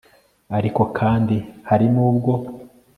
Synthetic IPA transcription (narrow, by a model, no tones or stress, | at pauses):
aɾiko̞kʰaːndihaɾinuːbɡo̞